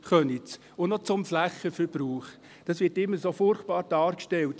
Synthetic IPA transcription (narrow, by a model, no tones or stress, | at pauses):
χœnit͡s | ʊnnɔt͡sʊmflæχəfəb̥ɾuːχ | d̥ɑsʋɪtɪmːəsofʊrχt̚b̥ɑːɾd̥ɑːɾkʃtɛlt